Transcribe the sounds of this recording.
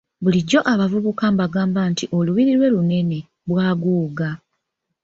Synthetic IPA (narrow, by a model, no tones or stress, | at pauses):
βuliɟo̞ʔaβavuβukambaɡaːmbantiʔo̞luβiɾilwe̞lune̞ne̞ | βwaːɡuːɡa